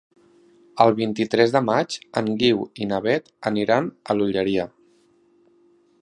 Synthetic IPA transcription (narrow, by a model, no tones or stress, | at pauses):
əlˠβint̪it̪ɾɛzðəmad͡ʒəŋɡiwinəβɛt̪əniɾanəluʎəɾiə